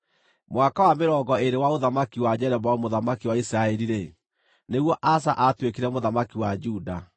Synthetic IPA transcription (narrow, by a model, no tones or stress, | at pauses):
mwakawameɾɔɡɔeɾewaoðamakiwad͡ʒɛɾɛbaomoðamakiwaisɾaɛɾiɾe | neɣwɔʔasaʔatwekeɾɛmoðamakiwad͡ʒuda